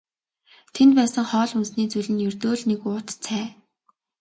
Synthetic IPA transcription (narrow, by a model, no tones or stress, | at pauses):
t̪ʰent̪̚pæːsə̆ŋχɔːɮunsniːt͡suɮɘ̆njɵrt̪oːɮnekʊːt̪t͡sʰæː